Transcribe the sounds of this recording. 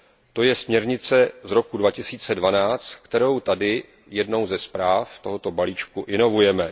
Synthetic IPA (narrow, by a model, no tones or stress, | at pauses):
t̪o̞jɛsmɲɛɾɲɪt͡sɛzɾo̞kudvacɪsiːt͡sɛdvanaːt͡st̪kt̪ɛɾo̞wt̪adɪ | jɛdno̞wzɛspɾaːft̪o̞ɦo̞t̪o̞baliːt͡ʃkuʔɪno̞vujɛmɛ